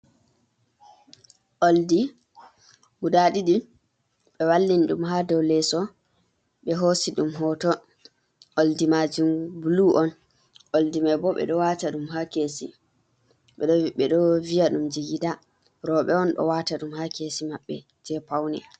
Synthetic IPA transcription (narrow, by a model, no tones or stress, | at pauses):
ʔoldi | mudaɗiɗi | ɓɛwalːinɗumɦadɔwlɛsɔ | ɓɛɦosiɗumɦɔtɔ | ʔoldimad͡ʒumbuluʔɔn | ʔoldimabɔɓɛ̰ɗɔwataɗumɦakesḭ | ɓɛɗɔɓɛɗɔvijaɗumd͡ʒiɡida | ɾɔɓɛɔnɗɔ̰wataɗumhakesimaɓːɛ | d͡ʒɛpawnɛ